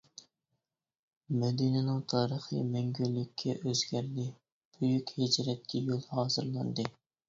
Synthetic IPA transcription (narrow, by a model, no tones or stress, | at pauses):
mɛd̪inɪnɪŋt̪ʰɑːɾəχḭmæŋɡʲylːɪkʲʰːɛʔøzɡʲæɾd̪ɪ | b̥yjykʲhed͡ʒɾɛt̪̚kʲʰɛjolˠhɑːzɨɾlˠɑnd̪ɨ